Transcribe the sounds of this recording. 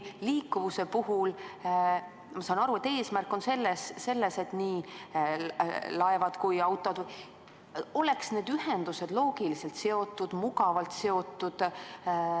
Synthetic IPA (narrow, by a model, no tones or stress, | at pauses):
liːkːuvuse̞puhul | mɑsɑːnɑɾue̞t̪ːe̞ːsmærkːˑo̞nse̞lːesːe̞lːe̞se̞t̪niː | lɑevɑd̪̥kujɑwt̪ːˑo̞d̪vuj | o̞le̞ksne̞ːd̪yɦe̞nd̪̥use̞d̪̥lo̞ːɡ̥iliselt̪se̞o̞t̪ːˑud̪̥muɡɑvɑlt̪se̞o̞t̪ːˑud̪̥